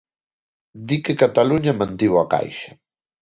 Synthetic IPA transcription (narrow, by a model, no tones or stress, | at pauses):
d̪ikekat̪aluɲamãnt̪iwaka̰jʃɐ